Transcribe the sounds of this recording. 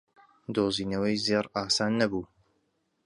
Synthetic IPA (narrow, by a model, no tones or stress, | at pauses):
d̪oːziːnɐwəjzeɾaːsaːnːɐbuː